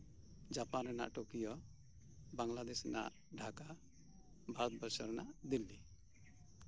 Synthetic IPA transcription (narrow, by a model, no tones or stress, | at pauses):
d͡ʒapanɾɛna̰ʔʈokijɔ | baŋlad̪ɛsna̰ʔ | ɖʱaka | bʱaɾɔt̪̚bəsɔɾnaʔd̪ilːi